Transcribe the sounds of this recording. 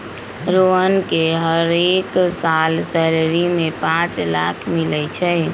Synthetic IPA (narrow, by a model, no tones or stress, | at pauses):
ɾoənkeɦəɾeksalsɛleɾimepãt͡ʃlakʰmilɛt͡ʃʰɛ